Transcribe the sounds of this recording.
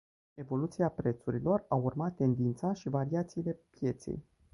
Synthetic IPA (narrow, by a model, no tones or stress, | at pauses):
e̞vo̞lut̪siapɾe̞t̪suɾilo̞raurmat̪ːe̞nd̪int̪saʃivaɾiat̪siːle̞pje̞t̪se̞̰j